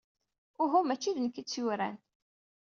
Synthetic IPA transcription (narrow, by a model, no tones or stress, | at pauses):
ʊɦʊmæt͡ʃːiðənkːit͡sːjuɾæ̰n